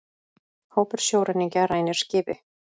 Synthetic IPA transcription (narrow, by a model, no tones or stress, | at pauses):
hoːwpɛɾ̥sjoːwɾaniɲcaɾaːjnɪɾ̥scɪːvɪ̰